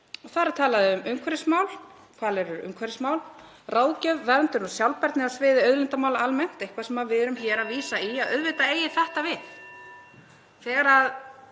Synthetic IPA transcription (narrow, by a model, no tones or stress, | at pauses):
ɔθaːɾat̪ʰaːlaðɪʏmʏmkʰvɛɾɪsmaːwl | kʰvaːlɛɾʏɾʏ̰mkʰvɛɾɪsmawl | raːwðcœvvɛɾnt̪ʏnɔɣsjawlpɛɾt̪nɪasvɪːðɪœɥðlɛnt̪amaːwlaalmɛn̥t̪ejhkʰvasɛmaðvɪɾʏmçɛːɾaviːsaiaðœðvɪt̪aeːjɪθɛht̪avɪθ | θɛːɣaɾað